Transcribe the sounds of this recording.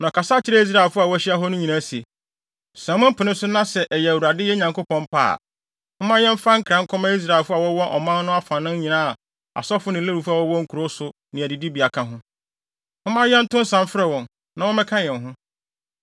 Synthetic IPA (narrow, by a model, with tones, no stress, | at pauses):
nã˨kʰa˨sa˦t͡ɕʰɪ˦ɾɛ˦i˦s̬ɾa˨ɛ˨lfʊ˦a˨wɔ˦æ˦ɕɪ˦a˦ɦɔ˦nʊ̃˦ɲĩ˨nã˦si˨e˨ | sɛ̃˨˦mʊ̃˦pʰʊ˨nɪ̃˦sʊ˦nã˦sɛ˨ʔɛ˨jɛ˨wu˨ɾa˨dɪ˦jɛ˦ɲã˨ŋko˦pʰɔ̃˦m˦pʰa̰ː˦˨ | hʊ̃˦mã˦jɛ̃˦m̩˦fa˦ŋ̩˦kʰɾã˦ŋ̩˦kʰɔ˦mã˦i˦s̬ɾa˨e˨lfʊ˦a˨wɔ˦wɔ˦ʔɔ̰˨mã˦n˦nʊ̃˦a˦fã˨nɪ̃˦ɲ˦ɲĩ˨nãː˦˨ | a̰˨sɔ˦fʊ˦nɪ̃˨˦e˦ɾu˨fa˨wɔ˦wɔ̃˦ŋ̩˦kʰu˨ɾo˦sʊ˨ | nɪ̃˨æ˨di˨di˦bi˨a˨kʰã˦ɦʊ̃˦ | hʊ̃˦mã˦jɛ̃˦n̩˦tʊ̃˦n̩˦sã˨m˦fɾɛ˦˨wɔ̃˨n | nã˨wɔ̃˦mɛ̃˦kʰã˦jɛ̃˨n˨ɦʊ̃˦